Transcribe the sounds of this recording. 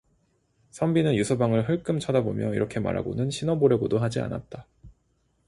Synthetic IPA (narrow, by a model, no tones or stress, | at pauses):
sʰʌmbinɯnjusʰʌbaŋɯɭɦɯɭk͈ɯmt͡ɕʰʌdabomjʌḭɾʌkʰe̞ma̰ɾɦa̰ɡo̰nɯnɕʰinʌboɾjʌɡodoɦad͡ʑia̰na̰t̚t͈a